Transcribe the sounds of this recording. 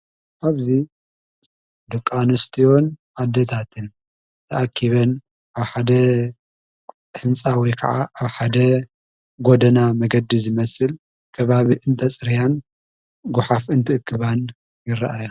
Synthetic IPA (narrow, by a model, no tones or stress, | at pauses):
ʔaβzi | d̪ɐkʼːanɨst̪ʰijo̞nʔad̪ːet̪ʰat̪ʰɨn | t̪ʰɐʔakʰːiβɐn | ʔaβħad̪ɐ | ħɨnt͡sʼawɔjkʰɐ̰ʕaʔaβħad̪ɐ | ɡod̪ɐnamɐɡɐd̪ːizɨmɐsɨl | kʰɐβaβiʔɨnt̪ʰɐt͡sʼɾijan | ɡʊħafɨnt̪ʰɨɨkʰːɨβan | jɨɾɐ̰ʔajo